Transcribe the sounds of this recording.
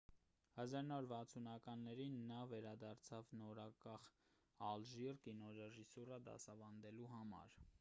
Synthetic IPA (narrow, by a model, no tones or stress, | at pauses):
hɑzɑɾunavɔɾvɑt͡sʰunɑkɑnːɛɾinːɑvɛɾɑd̪ɑɾt͡sʰɑvnɔɾɑkɑχ | ɑlʒirkinɔɾɛʒisurəd̪ɑ̰sɑvɑnd̪ɛluɦɑmɑ̰ɾ